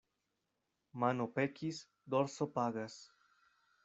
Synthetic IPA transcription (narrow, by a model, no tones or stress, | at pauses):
manopekis | d̪oɾsopaɣas